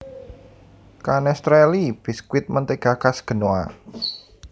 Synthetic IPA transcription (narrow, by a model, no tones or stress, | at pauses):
kanɛst̪ɾɛlib̥i̤skwɪt̪̚mənt̪eɡ̥akasɡ̥ə̤noa̰